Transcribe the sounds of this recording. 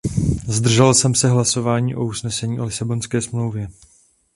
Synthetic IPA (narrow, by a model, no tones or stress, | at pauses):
zd̪r̩ʒɛlsɛmsɛɦlaso̞vaːɲiːʔo̞usnɛsɛɲiːʔo̞lɪsabo̞nskɛːsmlo̞wvjɛ